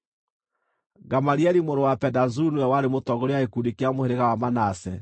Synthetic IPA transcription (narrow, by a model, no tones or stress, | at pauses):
ɡamaɾiɛɾimoɾowapɛdazunuɛwaɾemotɔɣoɾejaekudikeamoheɾeɣawamanasɛ